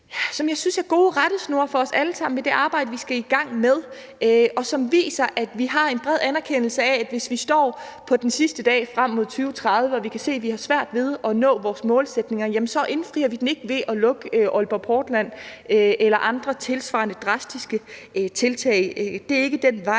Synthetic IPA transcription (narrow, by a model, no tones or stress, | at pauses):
sɒ̽mjɑ̈ɪsynsæɐɡ̥o̝ːʁad̥əsno̝ɐfɒ̽ɒ̽sæləsɑ̈m̰n̩med̥e̝ʔɑ̈ːb̥ɑ̈ɪdəʋisɡ̥æiɡ̥ɑ̈ŋ̰meðˠ | øɒ̽sɒ̽mʋḭːsɐʔæd̥ʋiɦɑ̈e̝nb̥ʁɛð̞̰ˠænæɐkʰen̰l̩səææd̥ʋe̝sʋisd̥ɒ̰ːpʰɒ̽d̥ensisd̥əd̥ɛ̰ːfʁam̰ːo̝ð̞̰ˠt͡sʰyːʊt͡sʰʁɑ̈ðˠʋəɒ̽ʋikʰæse̝̰ːʋihɑ̈sʋæɐ̰d̥ʋe̝ð̞ˠɒ̽nɔ̰̽ːʋɒːsmɔ̽ːlsed̥ne̝ŋɐjæmənsɒ̽ʔe̝nfʁḭːɐʋid̥en̩e̝ɡ̥əʋe̝ʔɒ̽lɔ̽ɡ̥əøʔɔ̽lb̥ɐpʰɒːd̥læn̰øelɐʔɑ̈nd̥ʁɐt͡sʰe̝lsʋɑ̈ːnəd̥ʁɑ̈sd̥isɡ̥ət͡sʰe̝lt͡sʰɛ̰ɪd̥e̝æɐe̝ɡ̥əd̥en̰ʋɑ̈ɪ̰